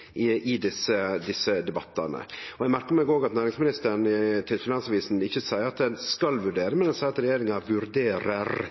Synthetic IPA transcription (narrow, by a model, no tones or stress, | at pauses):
ɪʔɪd̪ɪsəd̪ɪsəd̪ɛbɑt̪ːɑnə̰ɔɛɡmæɾkəɾmɛɪɡoːɡɑt̪næːɾɪŋsmɪnɪst̪əɾɳt̪ʰɪlfɪnɑnsɑʋiːsn̩ɪçːəsæɪəɾɑt̪̚d̪ɛnskɑlʋʉɖeːɾəmɛnd̪ɛnsæɪɾɑt̪ɾɛjeːɾɪŋɑʋʉɾd̪eːɾəɾ